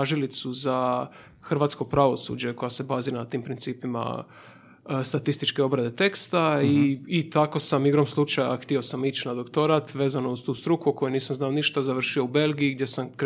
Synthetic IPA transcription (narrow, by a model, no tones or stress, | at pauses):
aʒilit̪suza | xr̩ʋaːt̪sko̞pɾaʋo̞sṵd͡ʑe̞ko̞jase̞baːziɾanat̪iːmpɾint̪siːpima̰ | st̪at̪ist̪it͡ʃke̞o̞bɾad̪e̞t̪e̞kst̪aiːt̪ako̞samiɡɾomslˠut͡ʃajaxt̪io̞samit͡ɕnad̪o̞kt̪o̞ɾat̪ʋe̞ːzano̞ust̪uːst̪ɾukuko̞juniːsamznaoniʃt̪azaʋr̩ʃio̞ube̞lˠɡiiɡ̚d̪ʲje̞samk